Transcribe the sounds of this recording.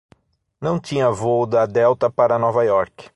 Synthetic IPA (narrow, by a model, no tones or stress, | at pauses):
nɐ̃w̃t͡ʃ̪ĩɲɐvod̪ɐad̪ɛwt̪ɐpaɾɐnɔvɐjɔɾkɪ̥